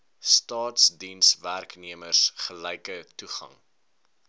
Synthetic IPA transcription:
stɑːtsdinsværkniəmərsχəlɛjkətuχɐ̰ŋ

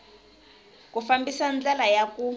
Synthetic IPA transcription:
kufambisand͡ɮɛlajaku

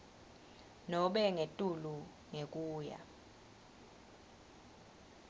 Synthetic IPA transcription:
nɔɓɛŋetʼulu | ŋek̬ʼuːja̰

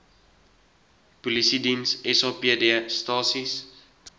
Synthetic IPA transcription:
pulisidinsɛsɑːpiədiəstɑːsis

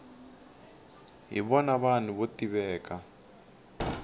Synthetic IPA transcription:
ɦḭβɔnaβaniβotiβɛːka

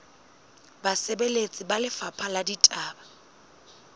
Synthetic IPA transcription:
basebelet͡sʼɪbalɪfapʰaladitʼaːba

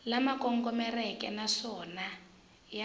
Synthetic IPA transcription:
lamakɔŋkɔmɛrɛkɛ̰naʂɔna | ja

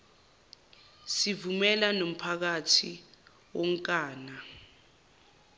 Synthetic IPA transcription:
sivumɛlanom̩pʰak̬atʰi | wɔŋkʼaːna

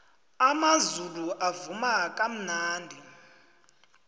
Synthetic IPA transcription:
amazuluʔavumakʼam̩naːndʱi

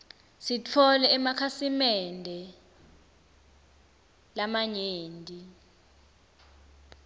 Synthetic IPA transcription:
sit͡fʰɔlɛːmakʰasimɛndʱɛ | lamaɲeːndʱʼi

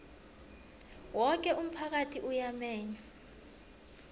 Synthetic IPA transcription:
wɔk̬ɛʔum̩pʰak̬atʰiʔujamɛːɲa

